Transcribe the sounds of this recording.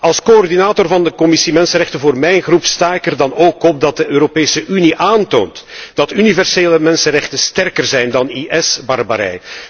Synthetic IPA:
ɑlˠskoɔrdinaːtorvɑndəkɔmɪsimɛnsənrɛxtənvoːrmɛjnɣrupstaːɪkərdɑnoːkɔp̚dɑt̚dəøːɾopeːsəʔyniʔaːnto̰ːntd̥ɑtynivɛrseːləmɛnsənrɛxtənstɛrkərzɛjndɑniʔɛsbɑrba̰ɾɛ̰j

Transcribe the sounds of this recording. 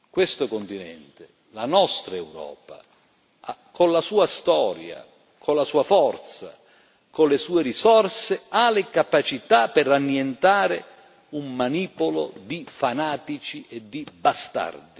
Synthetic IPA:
kwest̪okont̪inɛ̰nt̪e | lanɔst̪ɾaɛwɾɔ̰ːpa̰ | akonlasuːast̪ɔːɾja̰ | kʰonlasuːafɔrt̪sa̰ | kolesuːeɾisɔrsealɪkapat͡ʃit̪apɛranːjent̪aːɾɪ | ummaniːpolo̰d̪ifanaːt̪it͡ʃiʔɛd̪ːibast̪a̰rd̪i

